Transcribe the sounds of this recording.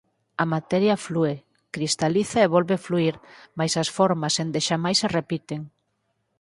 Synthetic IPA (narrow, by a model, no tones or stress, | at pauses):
ɐmat̪ɛɾjaflue | kɾist̪aliθaeβolβefluiɾmajsɐsfɔɾmɐsend̪eʃamajserepit̪eŋ